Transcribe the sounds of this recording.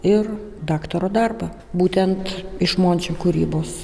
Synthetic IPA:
ɪrd̪ɑːkt̪oɾoːd̪ɐrbɐ | buːt̪ʲɛnt̪ɪʃmoːnʲt͡ʃʲoːkʊɾʲḭːboːs

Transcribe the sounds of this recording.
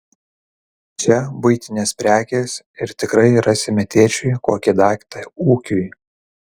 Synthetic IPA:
t͡ʃʲɛbʊɪt̪ʲɪnʲeːspʲɾʲæːkʲeːs | ɪɾt̪ʲɪkɾɐɪɾɑsʲɪmʲɛt̪ʲeːt͡ʃʲʊɪkoːkʲɪd̪ɑːkʲt̪ɐuːkʲʊj

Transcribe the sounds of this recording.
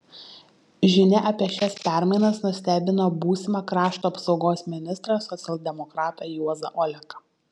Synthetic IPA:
ʒʲɪnʲɛʔɐpʲiɛʃʲɛspʲæˑɾʲmɐɪnɐsnʊsʲt̪ʲæːbʲɪnoːbuːsʲɪmɑkɾɑːʃt̪uːɐpsɒʊɡoːsmʲɪnʲɪst̪ɾɐsɔt̪sʲɛlˠʲd̪ʲɛmɔkɾɑːt̪ɑjuɔzɐ̰ʔɔlʲɛkɐ

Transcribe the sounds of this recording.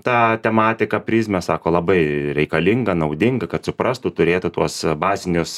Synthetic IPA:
t̪ɑːt̪ʲɛmɑːt̪ʲɪkɐpʲɾʲɪːsʲmʲɛsɑːkoːlˠɐbɐɪɾʲɛɪkɐlʲɪŋɡɐnɐʊd̪ʲɪŋɡɐkɐt̪sʊpɾɑst̪ʊt̪ʊɾʲeːt̪ʊt̪uɔsbɑːzʲɪnʲʊs

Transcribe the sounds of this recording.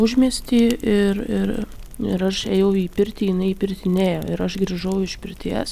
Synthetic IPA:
ʊʒʲmʲiɛsʲt̪ʲiːɪrɪɾɪɾɐʃeːjɛʊiːpʲɪɾʲt̪ʲiːjɪnɐɪiːpʲɪɾʲt̪ʲɪnʲeːjoːɪɾɐʃɡɾʲiːʒɐʊɪʃʲpʲɪɾʲt̪ʲiɛs

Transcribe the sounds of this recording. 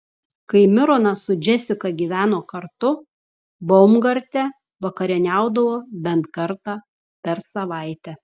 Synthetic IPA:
kɐɪmʲɪɾoːnɐsʊd͡ʒʲɛsʲɪkɐɡʲiːʋʲæːnoːkɐɾt̪ʊ | boʊmɡɐɾʲt̪ʲɛ | ʋɐkɐɾʲɪnʲæˑʊd̪ɐʋoːbʲɛnt̪kɐɾt̪ɑː | pʲɛɾsɐʋɐɪt̪ʲɛ

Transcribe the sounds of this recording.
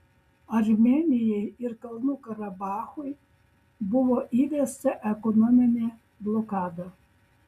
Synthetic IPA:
aɾmɛnʲijɛiɾkalˠnukaɾabaːxuj | buʋɔʔiʋest̪ɛʔɛkɔnɔmʲɛnʲɛ | blˠɔkaːd̪a

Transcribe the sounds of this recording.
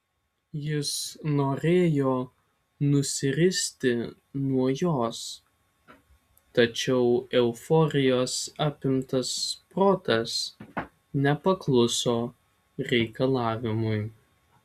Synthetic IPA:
jɪsnoːɾʲeːjoː | nʊsʲɪɾʲɪsʲt̪ʲɪ | nuɔjoːs | t̪ɐt͡ʃʲɛʊɛʊfɔːɾʲɪjoːsɑːpʲɪmt̪ɐspɾoːt̪ɐs | nʲɛpɐklˠʊsoː | ɾʲɛɪkɐlˠɑːʋʲɪmʊj

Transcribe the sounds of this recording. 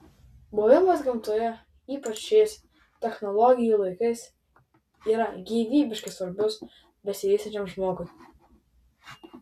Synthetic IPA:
moːʋʲɪmɐsɡʲɪmt̪ojɛ | iːpɐt͡ʃʃʲɛɪs | t̪ʲɛxnɔlˠɔɡʲɪjulˠɐɪkɐɪs | iːɾɐɡʲiːʋʲiːbʲɪʃʲkʲɪsʋɐɾʲbʲʊs | bʲɛsʲɪʋʲiːsʲɛnʲt͡ʃʲɛmʒmoːɡʊ

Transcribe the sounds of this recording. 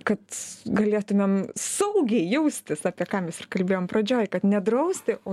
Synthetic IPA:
kɐt̪ɡɐlʲeːt̪ʊmʲemsɐʊɡʲɛɪjɛʊsʲt̪ʲɪsɑːpʲiɛkɑːmʲɛsɪrkɐlʲbʲeːjoːmpɾɐd͡ʒʲoːjkɐt̪nʲɛd̪ɾɐʊsʲt̪ʲɪʔoː

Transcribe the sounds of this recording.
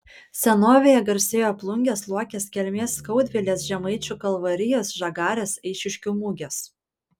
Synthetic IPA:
sʲɛnoːʋʲeːjɛɡɐɾʲsʲeːjoːɐplˠʊŋʲɡʲeːslˠuɔkʲeːskʲɛlʲmʲeːsːkɐʊd̪ʲʋʲɪlʲeːs̬ʒʲɛmɐɪt͡ʃʲuːkɐlˠʋɐɾʲɪjoːsʒɐɡɑːɾʲeːsɛɪʃʲɪʃʲkʲuːmuːɡʲeːs

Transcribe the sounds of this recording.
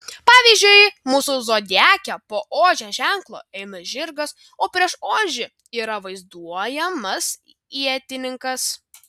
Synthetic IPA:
pɑːʋʲiːzʲd͡ʒʲʊɪmuːsʊzoːd̪ʲæːkʲɛpoːʔoːʒʲɛʒʲæŋklˠo̰ːɛɪmɐʒʲɪɾɡɐs | oːpʲɾʲiɛʃoːʒʲʊ | iːɾɐʋɐɪzd̪uɔjɛmɐs | iɛt̪ʲɪnʲɪŋkɐs

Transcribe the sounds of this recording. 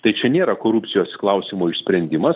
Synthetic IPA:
t̪ɐɪt͡ʃʲɛnʲeːɾɐkoːɾʊpʲt͡s̪sʲɪjoːsklˠɐʊsʲimoːɪʃʲsʲpʲɾʲɛnʲd̪ʲɪmɐs

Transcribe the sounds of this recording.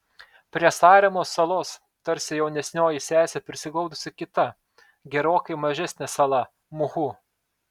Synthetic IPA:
pʲɾʲiɛsɑːɾʲɛmoːsːɐlˠoːs | t̪ɐɾʲsʲɪjɛʊnʲɛsʲnʲoːjɪsʲæːsʲɛpʲɾʲɪsʲɪɡˠɒʊd̪ʊsʲɪkʲɪt̪ɐ | ɡʲɛɾoːkɐɪmɐʒʲɛsʲnʲɛsɐlˠɐ | mʊhu

